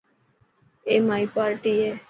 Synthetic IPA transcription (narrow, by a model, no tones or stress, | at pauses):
eːmaːipaːɾʈiːeː